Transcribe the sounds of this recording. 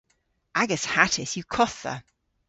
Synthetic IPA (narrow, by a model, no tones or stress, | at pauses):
ʔaɡəshatʰɪsjəkʰɒθðə̰